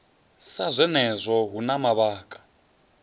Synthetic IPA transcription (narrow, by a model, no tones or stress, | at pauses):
sazʷɛnɛzʷɔɦunamaβaːkʼḁ